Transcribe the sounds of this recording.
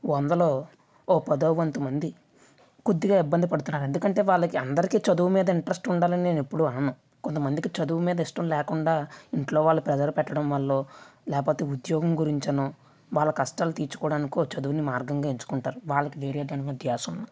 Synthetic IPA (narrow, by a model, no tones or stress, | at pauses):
ond̪ɐloː | oːpɐd̪oːʋɐnt̪umɐnd̪i | kud̪ːiɡaːibːɐnd̪ipɐɽut̪unːaːɾe̞nd̪ukɐɳʈe̞ːʋaːɭːɐkiɐnd̪ɐɾikiːt͡ʃɐd̪uːmiːd̪ɐiɳʈɾɐsʈuɳɖaːlɐnine̞ːnepːuɽuaːɐɳːu | kont̪ɐmɐnd̪ikit͡ʃɐd̪uːumiːd̪ɐiʂʈɐmlɛːkuɳɖaːiɳʈlo̞ːʋaːɭːupɾɛd͡ʒɐɾpɛʈːɐɽɐmʋɐɭːo̞ːlɛːkpo̞ːt̪e̞ːud̪jɔːɡɐmɡuɾiɲt͡ʃɐnu | ʋaːɭːɐkɐsʈaːlut̪iːɾt͡ʃu̥kɔːɽaːnikioːt͡ʃɐd̪uʋunimaːɾɡɐŋɡaːiɲt͡ʃu̥kuɳʈaːɾuʋaːɭːɐkiʋeːɾijɐd͡ʒɐnɐʋɐd̪jaːsunːa